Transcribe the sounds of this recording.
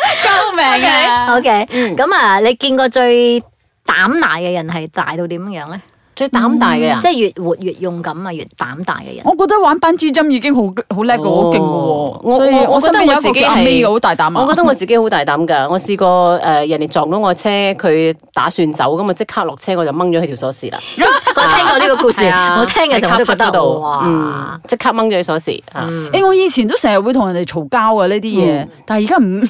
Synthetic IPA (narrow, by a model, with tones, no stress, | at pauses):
kɐ˧wmɛː˨ŋo˧kʰe˨˥˨kɐ˨˥mɐː˧le˨˧jkiː˧nkɔː˧t͡ʃɵ˧ɥ | t̪aː˨˥mt̪aː˨˩jkɛ˧jɐ˨˩nɦɐ˨jt̪a̰ː˨jt̪o˧wt̪iː˨˥mjːjœː˨˥ŋlɛ˦˥ | t͡sɵ˧t̪aː˨˥mt̪aː˨˩jkɐ˧˨t͡sɛː˥˩jyː˨t̚wuː˨t̚jyː˨˩t̚jʊ˨˩ŋkɐ˨˧˥mɐ˧jy̰ː˨tt̪ːa̰ː˨˥mt̪a̰ː˨˩jkɛ̰˧jɐ̰˨ŋɔː˨˧kɔː˧t̚t̪ɐ˥waː˨˥npaː˥nt͡siː˥t͡sɐ˥mjiː˧kɪ˥ŋɦo˨˥wɦo˨˥wlɛː˥kkːɔ˧ho˨˦kɪ˥ŋkɔ˧wɔː˧ŋɔː˨˧ɔ˥˧ɔː˨˧skːɔ˧ɐ˥nt̪ɐ˥˨˥t͡si˨˧kːme˥jɐ˧ho˨˥wt̪aː˨jt̪aː˨˥mɔː˨˧˨kɔː˧t̪ɐ˥ŋɔ˨˧t͡si˨ke˥jho˨˥wt̪aː˨jt̪aː˨˥mkɐː˧ŋɔː˨˧siː˧kɔː˧ʔɛː˧jɐ˨˩nd̪e˨˩jt͡sɔː˨˩ŋt̪o˨˥ŋɔː˨˧t͡sʰɛː˥kʰɵ˨˧ɥt̪a̰ː˨˥syː˧nt͡sɐ̰˨˥wkɐ˨˥ma˧t͡sɪ˥kʰaː˥lɔː˨˩k̚t͡sʰɛː˥ŋɔː˨˧t͡sɐ˨wmɐ˥ŋt͡ʃɔː˨˧he˧t̪ʰːsɔː˨˥siː˨˩la̰ː˧jɐ˥ŋɔː˨˧˥ɛː˥ŋkɔː˧li˥kɔ˧kuː˧siː˨ŋɔː˨˧t̪ʰɛː˥ŋkːsa˨˥t̪o˥ɔ˧ɔ˧˥t̪o˨˧wm̩˥˩t͡sɪ˥kʰːaː˥k̚mɐ˥ŋt͡ʃɔ˨˥e˨˧˩sɔː˨˥sḭː˨˩ha̰ː˨˩ɛ˥˧ŋɔː˨˧jiː˨˧t͡sʰi˨nt̪o˥wsɛː˨˩ŋjɐ˨t̚wu˨˧jt̪ʰʊ˨˩jɐ˨˩nd̪e˨jt͡ʃʰo˨˩wkaː˥wkɐː˧liː˥t̪iː˥jɛː˨˧t̪aː˨n˨ji˨˩kaː˥m̩˨˩